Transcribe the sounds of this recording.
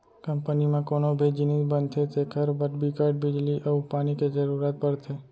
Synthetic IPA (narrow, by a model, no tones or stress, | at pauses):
kəmpənimãkoːnobʱid͡ʒɪnizbənt̪ʰet̪ʰekʰəɾbəʈbikaːɾɖbɪd͡ʒliʔəupaːniked͡ʒəɾuːɾaːt̪̚pəɽt̪ʰeː